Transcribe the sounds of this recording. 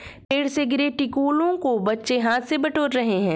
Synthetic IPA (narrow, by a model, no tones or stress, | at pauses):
peːɽseɡɪɾeʈɪkuːlõkobɐtːʃeɦaːt̪ʰsebɐʈoːɾɾɐɦeɦɛ̃ː